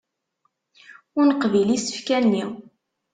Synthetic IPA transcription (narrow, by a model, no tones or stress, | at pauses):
ʊɾnəqvilisə̥fkænːi